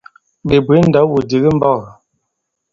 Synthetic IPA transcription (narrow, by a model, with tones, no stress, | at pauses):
be˨bwe˨˦n̩˦da˨˦wu˨di˨ɣi˦m̩˦bɔ˦˨